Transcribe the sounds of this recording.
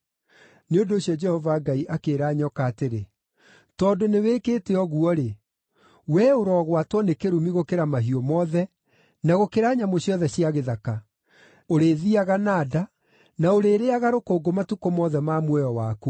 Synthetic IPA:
neondoːɕjɔd͡ʒɛhɔvaɡaiʔakeɾaːɲɔkaːteɾe | tɔːdoneweːkeːteɔɣuɔɾe | wɛoɾɔɣwatwɔnekeɾumiɣokeɾamaɦiɔmɔðɛ | naɣokeɾaːɲamoɕjɔðɛɕiaɣeðaka | oɾeðiaɣanaːda | naoɾeːɾeaɣaɾokoːɡomatukomɔðɛmamwɛjɔwaːko

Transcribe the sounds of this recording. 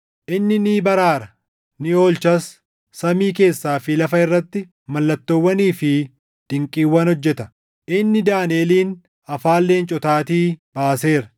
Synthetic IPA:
ʔɪnːɪniːbɐɾaːɾɐ | nɪo̞ːlt͡ʃɐsː | ɐmiːke̞ːsːaːfɪlɐfɐɪrːɐt̪ːɪ | mɐlːɐt̪ːowːɐniːfɪ | d̪̥ɪŋkʼiːwːɐnhɔd͡ʒːɛt̪ɐ | ʔɪnːɪd̪aːneːliːn | ɐfaːlːe̞ːnt͡ʃʼɔt̪aːt̪iːb̥aːse̞ːɾɐ̥

